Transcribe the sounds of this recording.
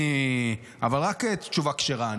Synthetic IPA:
i | a̰valʁakett͡ʃuvakʃeʁa

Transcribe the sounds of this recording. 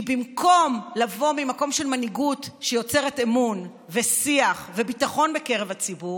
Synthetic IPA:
bimko̞mlavo̞mimako̞mʃelmaniɡutʃejo̞t͡se̞ʁetemun | vesiaχvebitaχo̞nbeke̞ʁevat͡sibu

